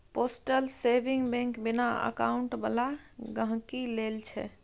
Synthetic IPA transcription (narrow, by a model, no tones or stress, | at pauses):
posʈəlsebiŋɡbɛ̃ŋkbinaə̰kauɳʈbəlaɡə̃ɦkilelt͡ʃʰɛ̰